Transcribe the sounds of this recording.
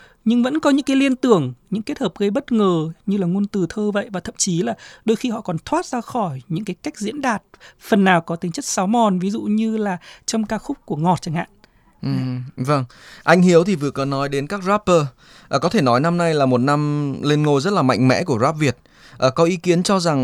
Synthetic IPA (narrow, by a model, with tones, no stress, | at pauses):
ɲɨ˧ŋvə̰˧˥nkɔ˨˦ɲɨ̰˧˥ŋkaː˨˦li˧ənt̪ɨ˧˩əŋɲɨ̰˧˥ŋke˦˥t̚həː˨˩p̚ɣə˧jɓə˦˥t̚ŋəː˨˩ɲɨ˧laː˨˩ŋu˧ənt̪ɨ˨˩t̪ʰəː˧və̰˧˨jvaː˨˩t̪ʰə̰˧˨mt͡ɕi˨˦laː˨˩ɗo˧jxi˧hɔ̰˧˨kɔ˨˩nt̪ʰwaː˦˥t̚zaː˧xɔ˧˩jɲɨ̰˧˥ŋkaː˨˦jka˦˥jk̟̚zḭ˧˥ənɗaː˨˩t̚fə˨˩nːaː˨˩wkɔ˨˦t̪ï˨˦ŋt͡ɕə˦˥t̚saː˨˦wmɔ˨˩nvi˨˦zṵ˧˨ɲɨ˧laː˨˩t͡ɕə˧mkaː˧xʊ˦˥k͡p̚ku˧˩əŋɔ˨˩t̚t͡ɕaː˧˩ŋha̰ː˧˨nʔ | ʔɨ˨və˧ŋʔa˧jŋ̟hi˨˦əwt̪ʰi˨˩vɨ˨˩ə˩kɔ˨˦nɔ˨˦jɗe˨˦nkaː˦˥k̚zaː˦˥pːəː˧ | ʔə˨˩kɔ˨˦t̪ʰe˧˩nɔ˨˦jna˧mna˧jlaː˨˩mo˨˩t̚na˧mle˧nŋo˧˩jzə˦˥t̚laː˨˩ma̰˧˨jŋ̟mɛ̰˧˥ku˧˩əzaː˦˥p̚vi˨˩ət̚ | ʔəː˨˩kɔ˨˦ʔi˨˦ki˨˦ənt͡ɕɔ˧za˨˩ŋ